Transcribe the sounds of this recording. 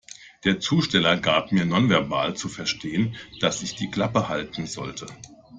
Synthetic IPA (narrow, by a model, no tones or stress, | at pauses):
d̥eːɐt͡suːʃtɛlɐɡaːp̚miːɐnɔnvɛɐba̰ːlt͡sufɛɐʃtʰeːənd̥asɪçd̥iːkl̥apəhaltn̩zɔ̰ltʰə